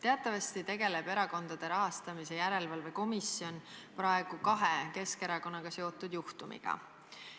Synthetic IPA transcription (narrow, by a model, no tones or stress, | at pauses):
t̪e̞ɑt̪ːˑɑvɑst̪it̪e̞ɡe̞le̞b̥e̞ɾɑko̞nd̪̥ɑd̪̥e̞ɾɑɦɑst̪ɑmise̞jæɾe̞lvɑlve̞ko̞misio̞npɾɑeɡ̥ukɑɦeke̞ske̞ɾɑko̞nːɑɡ̥ɑse̞ot̪ːˑud̪juht̪umḭɡ̥ɑ̰